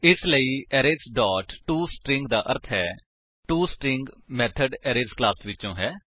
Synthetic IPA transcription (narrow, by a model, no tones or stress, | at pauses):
ɪsləiːɛːɾeːsɖɔːʈʈuːsʈɾɪ̃ŋɡd̪aːʔəɾt̪ʰɦɛː | ʈuːsʈɾɪŋɡmɛːt̪ʰəɖɛːɾeːsklaːsʋɪt͡ʃõːɦɛː